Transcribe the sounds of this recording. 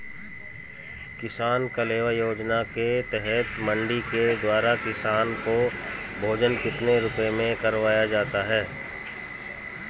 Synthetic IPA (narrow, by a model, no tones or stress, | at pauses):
kɪsaːnkaleːʋajoːd͡ʒnaket̪ɛɦɛt̪mɐ̃ɳɖiked̪waːɾakɪsaːnko | bʱoːd͡ʒənkɪt̪neɾʊpemẽkɐɾʋaːjad͡ʒaːt̪aɦɛː